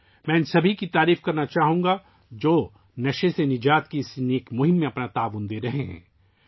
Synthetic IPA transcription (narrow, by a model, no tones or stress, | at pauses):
mɛ̃ːnsɐbʱikit̪aːɾiːfkɐɾnat͡ʃaːɦũːŋɡa | d͡ʒoː | nɐʃesenɪd͡ʒaːt̪kisneːkmʊɦɪ̃mːẽɐpnat̪aːʋʊnd̪eːɾɐɦeɦɛ̰̃ː